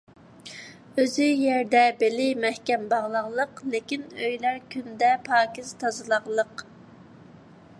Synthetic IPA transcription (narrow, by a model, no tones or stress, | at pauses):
øzyjɛɾd̪ɛbelɪmɛhkʲɛmbɑʁlˠɑʁlˠəqlekʲinøjlæɾkʲʰynd̪ɛpʰɑːkʲiz̥t̪ʰɑzɨlˠɑʁlˠəq